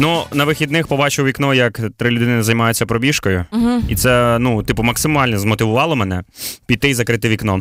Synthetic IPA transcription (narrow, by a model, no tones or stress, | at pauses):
nunɐʋɪxʲid̪nɪxpɔbɑt͡ʃɪwʋʲiknɔjɐkt̪ɾɪlʲʊd̪ɪnɪnɪzɐjmɑjʊt͡sʲːɐpɾɔbʲiʃkɔjʊɦit̪sɛnut̪ɪpʊmɐksɪmɑlʲnɛzmɔt̪ɪʋʊʋɑlˠɔmɛnɛpʲid̪̚ʲt̪ɪjzɐkɾɪt̪ɪʋʲiknɔ